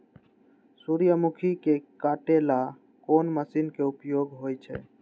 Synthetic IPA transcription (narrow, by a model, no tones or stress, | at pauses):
suɾijəmukʰikekaʈela | konməsinkeupjoɡɦojt͡ʃʰɛ̰